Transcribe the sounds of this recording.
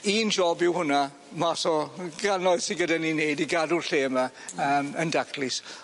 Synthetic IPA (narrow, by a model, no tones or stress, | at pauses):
iːnd͡ʒɔbɪwhʊna | maθɔɡ̥anɔɨð̥sɪnɡədanineɨdiɡadʊlɬeːma | əːməndakʰlɪs